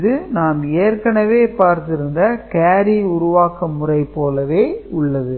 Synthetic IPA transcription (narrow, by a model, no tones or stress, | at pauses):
ðɯnaːmeːrkɐɳɐʋeːpaːɾt̪ɪɾɯnd̪ɐkeːɾiʊɾʊʋaːkɐmʊrɐɪpːoːlɐʋeːʊɭːɐðɯ